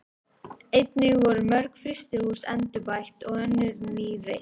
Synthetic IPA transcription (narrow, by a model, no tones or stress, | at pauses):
ejt̪nɪɣvɔɾʏmœɾkfɾɪst̪ɪhuːsɛnt̪ʏpajht̪ɔɣɛnːɪɾniːɾɪ̰